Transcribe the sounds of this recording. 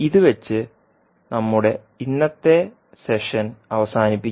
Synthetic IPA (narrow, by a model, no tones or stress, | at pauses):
iðɨʋet͡ɕːɨ | nɐmːuɽe̞ | inːɐt̪ːe̞ | se̞ʂɐnɐʋɐsaːnipːi